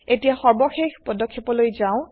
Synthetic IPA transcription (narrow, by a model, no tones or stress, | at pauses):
etijaxɔɹbɔxexpɔdɔkʰːipɔlojzaʊ̃